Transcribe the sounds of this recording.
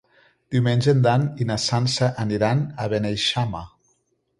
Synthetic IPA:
d̪̥iwmenʲʒend̪aninasanseʔaniɾanaβenejʃama

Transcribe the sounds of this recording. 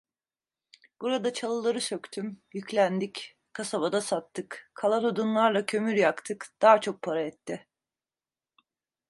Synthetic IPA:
b̥uɾad̪at͡ʃʰalˠɯlˠaɾɯsøkt̪ʰymjyclʲænd̪ic | kʰasabad̪asat̪ːɯkkʰːalˠad̪od̪unlˠaɾlˠacʰø̞myɾjakt̪ʰɯkd̪̥aːt͡ʃʰo̞k̚pʰaɾaɛt̪ːɪ

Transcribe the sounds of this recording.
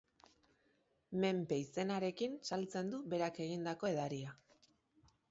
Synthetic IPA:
me̞mpe̞ise̞naɾe̞kinsalt͡se̞nd̪uβe̞ɾake̞ɣ̞ind̪ako̞e̞ðaɾia

